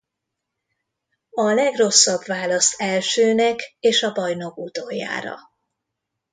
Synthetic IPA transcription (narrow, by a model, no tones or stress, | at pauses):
ɒlɛɡro̞sːɒbvaːlɒst̪ɛlʃøːnɛkeːʃɒbɒjno̞kut̪ojːa̰ːɾɒ̰